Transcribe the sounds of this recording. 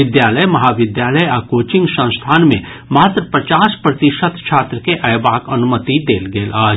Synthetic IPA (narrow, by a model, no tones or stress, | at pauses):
ɪd̪jaːləjmɐɦaʋɪd̪jaːləjaːkoːt͡ʃɪ̃ŋɡsə̃ñst̪ʰaːnmẽ | maːt̪ɾəpɾət͡ʃaːspɾɐt̪ɪʃət̪ʃʰaːt̪ɾəkeʔɛjbaːkɐnʊmət̪id̪eːlɡeːlʔaːd͡ʒ